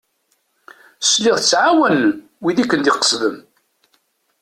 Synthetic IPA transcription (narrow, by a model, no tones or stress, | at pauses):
sliʁˤθət͡sːʕawæn | wiðikːənd̪iqə̥sˤðəm